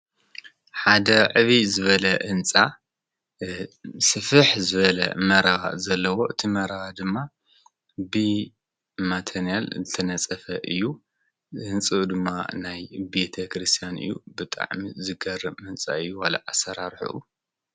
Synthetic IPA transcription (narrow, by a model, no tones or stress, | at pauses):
ħad̪ɐʕɨβizɨβɐlɐʔɨnt͡sʼa | sɨfɨħzɨβɐlɐ̰mɐɾawa̰zɐlːɐwo̞ʔɨt̪ʰimɐɾaad̪ɨmːa | bɨ | mat̪ʰɐnijalzɨt̪ʰɐnɐt͡sʼɐfɐʔɨjːu | ɨnt͡sʼɨd̪ɨmːa̰najbe̞t̪ʰɐkɾɨst̪ʰijanʔɨ̰jːubɨt̪ʼa̰ʕmizɨɡɐrːɨbmɨnt͡sʼa̰ɨjːuwalɐ̰ʕasɐɾaɾħṵʔṵ